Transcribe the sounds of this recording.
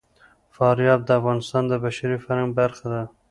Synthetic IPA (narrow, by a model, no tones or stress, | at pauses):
fɑɾjɑb̚d̪əafɣɑnɪst̪ɑnd̪əbaʃaɾifaɾaŋbaɾxad̪a